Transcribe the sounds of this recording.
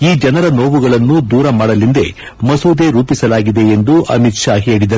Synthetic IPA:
iːd͡ʒɐnɐɾɐno̞ːʋuɡɐɭɐnːud̪uːɾɐmaːɽɐlind̪e̞̰ | mɐsuːd̪e̞ɾuːpisɐlaːɡid̪e̞end̪uʔɐ̰mit̪ʃaːɦe̞ːɭid̪ɐɾ

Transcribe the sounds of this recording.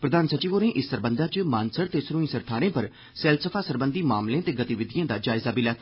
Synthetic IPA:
pɾəd̪aːnsət͡ʃiːʋoːɾẽːʔɪsːəɾbə̃nd̪aːt͡ʃmaːnsəɾt̪eːsɾuːĩːsəɾt̪ʰaːɾẽːpəɾ | sɛːlsəpʰaːsəɾbənd̪iːmaːmlẽt̪eːɡət̪iːʋɪd̪ijãːd̪aːd͡ʒaːɪzaːbilɛːt̪ː

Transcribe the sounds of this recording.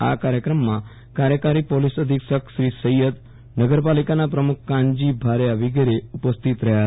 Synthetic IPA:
a̰kaɾjəkɾəmːã | kaɾjəkaɾipolisəd̪ʱikʃəkʃɾisəjəd̪ | nəɡəɾpalikanapɾəmuk̚ʰkãɲd͡ʒibʱaɾjaʋiɡeɾeupəst̪ʰit̪ɾəɦja

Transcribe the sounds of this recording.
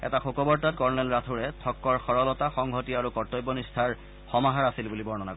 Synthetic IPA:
ɛ̰taxokɔbɔɹtat̚kɔɹnɛlɹatʰuɹɛtʰɔkːɔɹxɔɹɔlɔtaxɔŋɦɔtiaɹukɔɹtɔjbːɔnistʰaɹ | xɔmaɦaɹasilbulibɔɹnɔnakɔ

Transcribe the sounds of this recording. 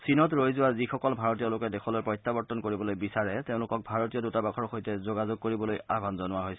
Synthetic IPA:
sinɔtɹojzʊwazixɔkɔlbʱaɹɔtijɔlʊkɛdexʰɔloɔjpɹɔjtːabɔɹtɔnkoɹibɔlojbisaɹɛteʊ̃lʊkɔk̚bʱaɹotijɔdutabakʰɔɹxojtɛzoɡazoɡ̚koɹibɔlojabʱanzɔnʊwaɦojsɛ

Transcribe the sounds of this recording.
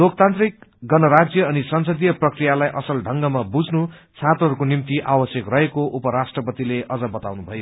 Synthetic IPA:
lok̚t̪ãnt̪rik̚ɡʌnʌɾad͡zjʌːnisʌnsʌd̪ijʌprʌkrijalajʔʌsʌlɖʱʌŋɡʌmabud͡znut͡sʰãt̪ɦʌɾukonimt̪iʔawʌsjʌkrʌɦekoʔupʌɾasʈrʌpʌt̪ileʔʌd͡zʌbʌt̪awnubʱʌjo

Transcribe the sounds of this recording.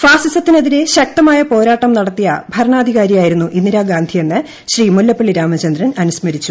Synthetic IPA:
faːsisɐt̪ːinɐðiɾe̞ɕɐk̚t̪ɐmaːjɐpo̞ːɾaːʈːɐmnɐɽɐt̪ːijɐ̰bʱɐɾɐɳaːd̪ʱiɣaːɾijaːjiɾunːuʔinːiɾaːɡaːnd̪ʱije̞nːɨ | ɕriːmulːɐpːeɭːiɾaːmɐt͡ɕɐnd̪ɾɐnɐnusmɐɾit͡ɕːu

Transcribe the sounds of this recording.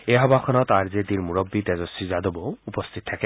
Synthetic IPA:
eɦɔbakʰɔnɔt̪aɾd͡ʒed̪iɾmuɾɔbːit̪ɛd͡ʒɔsid͡ʒad̪ɔbɔupɔst̪ʰit̪ɔt̪ʰake

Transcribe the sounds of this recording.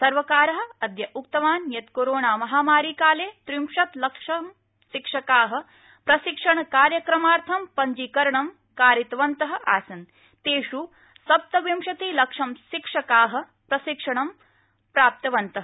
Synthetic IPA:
sɐɾʋɐkaːɾɐɦɐ̆ɐd̪jɐʔukt̪ɐʋaːnjɐt̪koːɾoːɳaːmɐɦaːmaːɾiːkaːleːt̪ɾimʂɐt̪lɐkʂɐm | ʃikʂɐkaːɦɐ̆ | pɾɐʃikʂɐɳɐkaːɾjɐkɾɐmaːɾt̪ʰɐmpɐɲd͡ʒikɐɾɐɳɐm | kaːɾit̪ʋɐnt̪ɐɦɐ̆ʔa̰ːsɐn | t̪eːʂu | sɐp̚t̪ɐʋimʃɐt̪iːlɐkʂɐmʃikʂɐkaːɦɐ̆ | pɾɐsikʂɐɳɐm | pɾaːp̚t̪ɐʋɐnt̪ɐɦɐ

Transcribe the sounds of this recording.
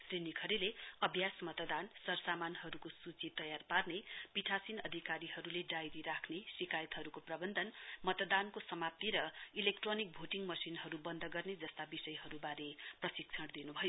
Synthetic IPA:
srinikʰʌɾileʌbʱjasmʌt̪d̪ansʌrsamanɦʌɾukosut͡sit̪ʌjarparnepiʈʰasinʌd̪ʱikaɾiɦʌɾuleɖajɾiɾakʰnesikajʌt̪ɦʌɾukoprʌbʌnd̪ʌnmʌt̪d̪ankosʌmap̚t̪iɾʌilek̚ʈronik̚bʱoʈiŋɡmʌsinɦʌɾubʌnd̪ʱʌɡʌrned͡zʌst̪abisʌjɦʌɾubaɾeprʌsik̚t͡sʰʌɽd̪inubʱʌjo

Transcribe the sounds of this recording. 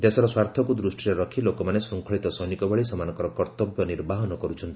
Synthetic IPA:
d̪esɔɾɔswaɾt̪ʰɔkud̪ɾusʈʰiɾɔɾɔkʰilokɔmanesuŋkʰɔɭit̪ɔsɔjnikɔbɔɭisɔmanɔkɔɾɔkɔɾt̪ɔbjɔniɾbaɦɔnɔkɔɾut͡ʃʰɔnt̪ii̥

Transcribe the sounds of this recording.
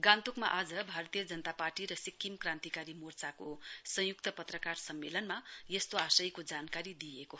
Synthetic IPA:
ɡãnt̪ukmaʔad͡zʌbʱarʌt̪ijʌd͡zʌnʌt̪aparʈiɾʌsikʰːimkrãnt̪ikaɾimort͡sakosʌ̃juk̚t̪ʌpʌt̪rʌkarsʌmːelʌnmajest̪oasʌjkod͡zankaɾid̪ieko

